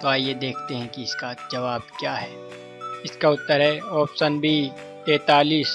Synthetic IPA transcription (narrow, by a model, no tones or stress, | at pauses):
t̪oaːjed̪eːkʰt̪eɦɛ̃kiɪskad͡ʒɐʋaːb̚kjaːɦɛː | ɪskaʊt̪ːəɾɦɛɔːfsənbʱi | t̪eːt̪aːliːs